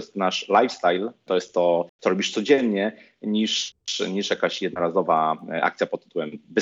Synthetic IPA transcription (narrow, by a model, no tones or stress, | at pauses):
st̪naʂlajfst̪ajlt̪ɔjɛst̪ːɔt̪sɔɾɔbʲiʂt̪sɔd͡ʑɛnɲɛ | ɲiʂɲiʂjakaɕjɛd̪nɔɾazɔvaʔa̰kt̪sʲjapɔt̪ːɨt̪uwɛmvɘ